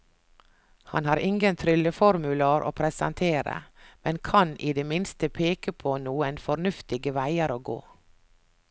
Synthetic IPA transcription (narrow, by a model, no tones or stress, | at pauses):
hɑ̰nhɑːɾʔɪŋɡənt̪ʰɾʏləfɔɾmʉlɑɾʔo̰ːpʰɾɛsɑnt̪ʰeːɾə̰mɛnkʰɑnʔiːd̪eːmɪnst̪əpʰeːkəpʰoːnuːənfɔɾnʉft̪ɪɡəʋæɪəɾoːɡo̰ː